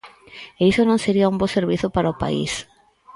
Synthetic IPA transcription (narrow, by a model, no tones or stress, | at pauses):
eisonõŋseɾiaũmboseɾβ̞iθʊpaɾaʊpa̰ḭs